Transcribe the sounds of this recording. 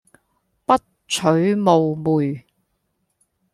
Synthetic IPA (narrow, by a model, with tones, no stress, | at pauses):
pɐ˥t̚ | t͡ʃʰɵ˨˥ɥmo˨wmuː˨j